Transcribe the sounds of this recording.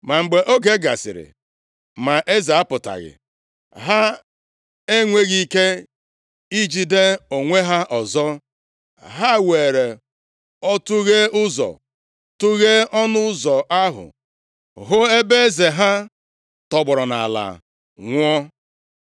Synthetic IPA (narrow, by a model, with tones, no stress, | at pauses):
ma˨ŋ͡m̩˨ɡ͡be˨ʔo˦ke˦ɡa̰˨sɪ̰˨ɾɪ̰˨ | ma˨ʔe˦za˨a˦pʊ˨ta̰˨ɣɪ̰˨ | ɦa˦ | e˦ŋʷe˦ɣi˦ke˦ | i˦d͡ʒi˦de˦o˨ŋʷe˦ɦa˦ʔɔ˨zɔ˦ | ɦa˦˨we˨ɾe˨ | ɔ˦tu˦ɣe˦ʊ˦zɔ̰˨ | tu˦ɣe˦ɔ˦nʊ˦zɔ˨ʔa˦ɦʊ̰˨ | ɦʊ˦e˦be˦e˦ze˨ɦa˦ | tɔ˨ɡ͡bɔ˨ɾɔ˨na̰˨a˨la̰˨ | ŋʷɔ˦